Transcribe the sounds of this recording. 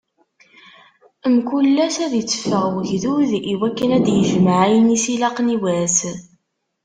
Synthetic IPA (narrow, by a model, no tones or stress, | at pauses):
əmkulːæsæðjət͡sːfəʁwəʝðuðiwækːənæd̪jəʒməʕæjənisilɑqniwæs